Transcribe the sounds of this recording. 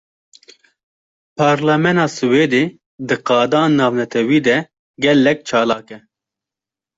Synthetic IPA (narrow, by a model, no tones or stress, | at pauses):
pʰɑːɾlɛmɛnɑːsɨweːd̪eː | d̪ɨqɑːd̪ɑːnnːɑːvnɛt̪ʰɛwiːd̪ɛ | ɡɛlːɛk̚t͡ʃʰɑːlɑːkɛ